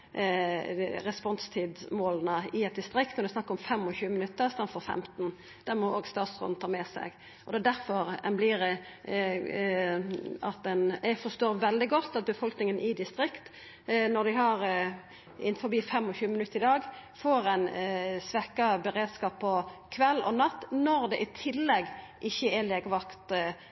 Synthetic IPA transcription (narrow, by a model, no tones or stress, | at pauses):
ɾɛspɔnst̪ʰiːd̪smoːlənəɪɛt̪̚d̪ɪst̪ɾɪkt̪nɔɾd̪ɛsnɑkːɾɔmfɛmːɔçʉːəmɪnʉt̪ːəɾst̪ɑnfɔɾfɛ̰mt̪n | d̪̥æʁmɔoːɡst̪ɑːt̪sʁʊ̰nn̩t̪ʰɑːmɛsɛ̰ɡ | ʔɔd̪ɛæd̪æɾfɔɾɛnblɪɾ | ɑt̪̚d̪ɛnæfɔst̪oːɾʋɛld̪ɪɡɔt̪ːɑt̪̚bəfɔlknɪŋənʔɪd̪ɪst̪ɾɪkt̪ | nɔd̪ɪhɑʁ | ɪnfɔbiːfɛmːɔçʉːəmɪnʉt̪ːəɾɪd̪ɑːɡfoːɾæɪnsʋɛkːɑbəɾeːd̪skɑːppʰːɔkʰʋɛlːɔ̰nɑt̪ːnɔɾd̪ɛʔɪt̪ʰɪlːɛɡ | ʔɪçːəɛleːɡʋɑkt̪